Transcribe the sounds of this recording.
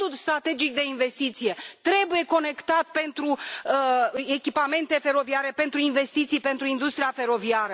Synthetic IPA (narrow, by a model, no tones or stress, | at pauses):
d̪ust̪ɾat̪e̞d͡ʒik̚d̪e̞inve̞st̪it̪sije̞t̪ɾe̞buje̞ko̞ne̞kt̪at̪̚pe̞nt̪ɾu | e̞kʲipame̞nt̪e̞fe̞ɾo̞viaɾe̞pe̞nt̪ɾuinve̞st̪it̪sijpe̞nt̪ɾuind̪ust̪ɾijafe̞ɾo̞viaɾə